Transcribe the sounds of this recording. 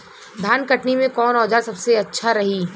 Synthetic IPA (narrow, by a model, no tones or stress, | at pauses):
d̪ʱaːnkɐʈnimẽkɔːnɔːd͡ʒaːɾsɐbseɐtːʃʰaɾɐɦiː